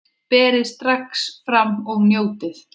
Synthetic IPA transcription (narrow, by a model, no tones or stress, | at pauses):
pɛːɾɪðst̪ɾaksfɾamːɔɣnjoːwt̪ɪθ